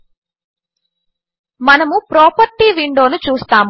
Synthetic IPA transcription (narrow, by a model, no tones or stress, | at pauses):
mɐnɐmupɾɔːpɐɾʈiːʋiɳɖo̞ːnut͡ʃuːst̪aːmu